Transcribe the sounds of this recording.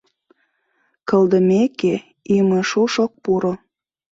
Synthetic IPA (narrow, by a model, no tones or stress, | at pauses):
kə̆ld̪ə̆meke | imə̆ʃuʃok̚puɾo